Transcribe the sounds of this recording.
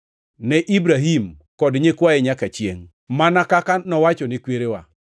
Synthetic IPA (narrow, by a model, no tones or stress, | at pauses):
nɛʔibɾaɦimkɔdɲekwaɛɲakat͡ʃjḛŋ | manakakanɔwat͡ʃɔnɪkweɾewa̰